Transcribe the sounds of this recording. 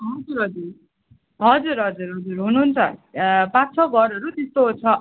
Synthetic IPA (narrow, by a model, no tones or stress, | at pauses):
ɦʌd͡zuɾɦʌd͡zur | ɦʌd͡zuɾɦʌd͡zuɾɦʌd͡zurɦunuɦnt͡sʰʌpat̪t͡sʰʌɡʱʌɾʌɾut̪est̪ot͡sʰʌ